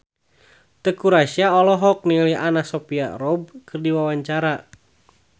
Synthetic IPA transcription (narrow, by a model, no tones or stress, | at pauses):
t̪əkuɾaʃiaɔlɔɦɔk̚niliʔanasɔpia̰rɔb̚kɨrdiwawaɲt͡ʃaɾa